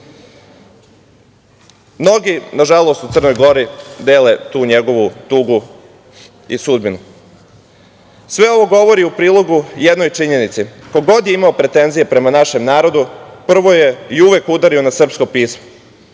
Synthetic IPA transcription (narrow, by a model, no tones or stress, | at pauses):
mno̞ɡinaʒalˠo̞st̪ut̪sər̩no̞jɡo̞ɾid̪e̞ːle̞t̪uːɲe̞ɡo̞ʋut̪uːɡu | isud̪binu | sʋe̞o̞ʋo̞ɡo̞ʋo̞ɾiupɾiːlˠo̞ɡujed̪no̞jt͡ʂiɲe̞nit̪siko̞ɡo̞d̪jeimaopɾe̞t̪e̞nzije̞pɾe̞manaʃe̞mnaːɾo̞d̪upr̩ʋo̞je̞iuʋekud̪aɾio̞nasr̩psko̞piːsmo̥